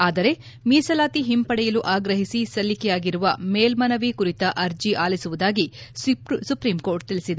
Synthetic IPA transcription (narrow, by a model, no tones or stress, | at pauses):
aːd̪ɐɾe̞ | miːsɐlaːt̪iɦimpɐɽɛjɐluʔaːɡɾɐɦisisɐlːikɛjaːɡiɾuʋɐmeːlmɐnɐʋikuɾit̪ɐʔɐɾd͡ʒiʔaːlisuʋud̪aːɡi | supɾimko̞ːɾʈ̚t̪ilisid̪e